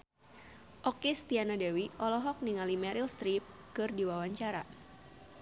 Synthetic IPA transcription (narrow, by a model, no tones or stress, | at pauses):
ʔɔkist̪ianadawiʔɔlɔɦɔk̚niŋalimɛɾilst̪ɾip̚kɨrdiwawaɲt͡ʃaɾa